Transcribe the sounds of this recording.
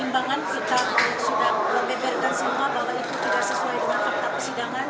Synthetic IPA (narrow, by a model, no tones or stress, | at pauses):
imbaŋansəkaanaksidaŋməmbɛbɛrkansəmuabaɦwait̪ut̪idaʔsəsuajdəŋakak̚t̪apəsidaŋan